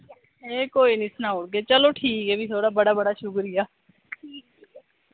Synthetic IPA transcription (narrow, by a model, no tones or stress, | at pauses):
eːkoːinɪsnaʊɽɡet͡ʃɐloʈʰiːkɛːbʱit̪ʰoːɽaːbɐɽabɐɽaʃʊkɾijaː